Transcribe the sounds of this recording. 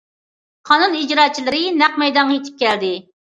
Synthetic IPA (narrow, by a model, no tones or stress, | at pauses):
qʰɑnunid͡ʒɾɑːt͡ʃʰilˠɪɾɪnæqmɛjd̪ɑŋːjet̪ʰɪ̥p̚kʲɛld̪ɪ